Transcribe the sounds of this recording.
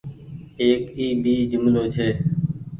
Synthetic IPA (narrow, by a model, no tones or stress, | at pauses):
eːkiːɓiːd͡ʒʊmloːt͡ʃʰeː